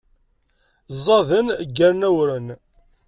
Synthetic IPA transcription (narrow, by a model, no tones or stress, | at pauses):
zˤːɑðənɡːæɾnæwɾən